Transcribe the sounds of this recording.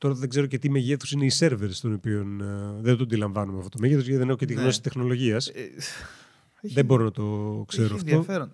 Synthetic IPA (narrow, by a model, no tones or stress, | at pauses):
t̪o̞ɾɐðeɡze̞ɾoce̞t̪imeʝeθu̥sine̞ise̞ɾveɾst̪o̞nopionðed̪oɐnd̪ilɐɱvɐnumeɐft̪ot̪oe̞ʝet̪ozʝet̪iðeexocet̪iɣno̞si̥t̪exno̞lo̞ʝiɐs | ððeboɾonɐt̪o̞kseɾoɐft̪o̞ɾ